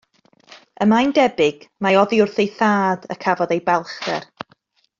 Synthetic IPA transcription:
əmajndɛbɪɡ̥maɔðiʊrθejθaːdə̰kʰavɔðejbɛlˠχdɛ̰r

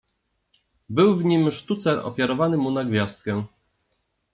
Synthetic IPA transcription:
bɘwvɲimʂt̪ut̪sɛʔɔ̰fʲjaɾɔvanɘmunaɡvʲjast̪̚kɛ

